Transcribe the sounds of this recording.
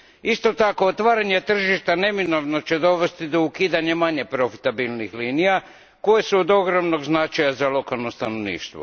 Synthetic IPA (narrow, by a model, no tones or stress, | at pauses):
ist̪o̞t̪ako̞ot̪ʋaːɾaɲe̞t̪r̩ʒiʃt̪ane̞mino̞ʋnot͡ɕe̞d̪o̞ʋe̞st̪id̪o̞ukiːd̪aɲe̞maɲe̞pɾo̞fi̥t̪abilnixliːnija | ko̞jesuod̪o̞ɡɾo̞mno̞ɡznat͡ʃajazalo̞kalˠno̞st̪ano̞ʋnḭːʃt̪ʋo̰